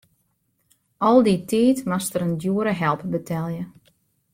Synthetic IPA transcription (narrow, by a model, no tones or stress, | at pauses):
ɔlˠditʰiːtmastəɾəndjuəɾəɦɛlˠpbətʰɛlˠjə